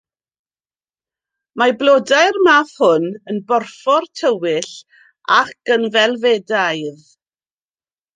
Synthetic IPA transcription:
mablˠodajrmafhʊnənbɔrfɔrtʰəwɪɬ | akɡ̥ənvɛlˠvɛdajð

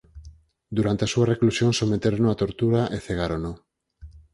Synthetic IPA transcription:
d̪uɾant̪easuareklusjoŋsomet̪eɾonõat̪oɾt̪uɾaʔeθeɣaɾono

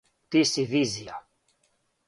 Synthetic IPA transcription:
t̪isivizija

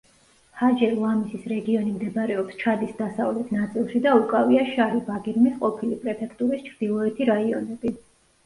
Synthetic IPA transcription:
had͡ʒɛɾlˠamisisɾɛɡiɔnimd̪ɛbɾɛɔpst͡ʃʰad̪isd̪asavlɛt̪ʰnat̪sʼilˠʃid̪aukʼaviaʃaɾibaɡiɾmisqʼɔpʰilipʼɾɛpʰɛkʰt̪ʼuɾist͡ʃʰɾd̪̥ilˠɔɛt̪ʰiɾaiɔnɛb̥i

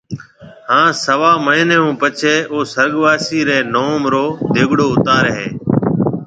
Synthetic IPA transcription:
hãːsəʋaːməɦɪneːũːpət͡ʃʰeːʔoːsəɾɠʋaːsiːɾeːnoːmɾoːd̪eːɠɽoːʊt̪aːɾɦḛː

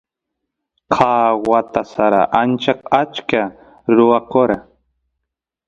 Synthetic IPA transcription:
qʰɑːwat̪asaɾa̰ʔant͡ʃaqat͡ʃka | ɾʊwakoɾa

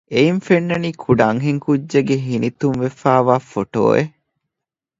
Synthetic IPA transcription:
ʔeinfenːɐniːkʰuɖaŋɦeŋkudːeɡeɦinit̪umʋefæːʋaːfoʈo̰ːʔe

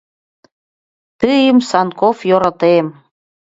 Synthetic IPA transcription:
t̪ɨjəmsɑnkofjoɾɑt̪em

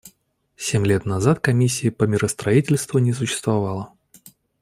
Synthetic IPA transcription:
sʲemʲlʲet̪nɐzat̪kɐmʲisʲːɪjəpəmʲɪɾəst̪ɾɐitʲɪlʲst̪vʊnʲɪs̬ʊɕːɪ̥st̪vɐvalˠə

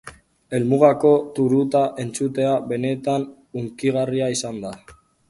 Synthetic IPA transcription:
e̞lmuɣako̞t̪uɾut̪aʔe̞nt͡sut̪e̞aβe̞ne̞t̪an | uŋkiɣ̞ariaisand̪a

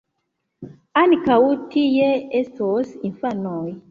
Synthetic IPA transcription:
anikawutʰijɛestɔsinfanɔi

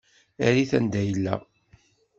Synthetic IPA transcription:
æɾiθænd̪æjəlːæ̰

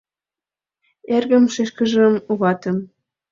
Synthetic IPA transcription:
erɣə̆mʃeʃkə̆ʒə̆muɣɑt̪ɤ̆m

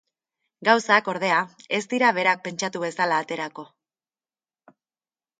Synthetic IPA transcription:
ɡawsako̞ɾð̞e̞ae̞st̪iɾaβ̞e̞ɾak̚pe̞nt͡ʃat̪uβe̞salaːt̪e̞ɾako̞

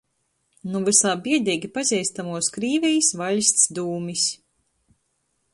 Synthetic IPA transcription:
nuvɨsaːbiɛd̪iːɡʲipazʲɛjst̪amuɔskɾiːvɛjsvalʲsʲt̪sd̪uːmis

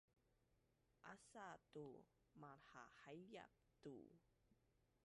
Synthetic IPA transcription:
ʔasatu | maħahajja̰p̚tṵ

